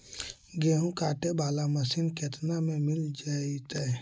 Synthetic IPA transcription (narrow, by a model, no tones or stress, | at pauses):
ɡeːɦũkaːʈebaːlamɐsinkeːt̪namẽmɪld͡ʒaːit̪ɛ